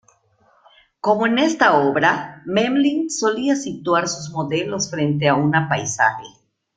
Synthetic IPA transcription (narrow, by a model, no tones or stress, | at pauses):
ko̞moene̞st̪aoβɾamemlinso̞liasit̪waɾsuzmo̞ðe̞lo̞sfɾe̞nt̪̬eaunapajsa̰xe